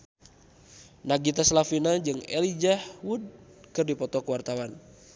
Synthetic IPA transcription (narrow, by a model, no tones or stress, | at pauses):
naɡit̪aslafinad͡ʒɨŋɛlid͡ʒahwud̚kɨrdipɔt̪ɔkəwart̪awan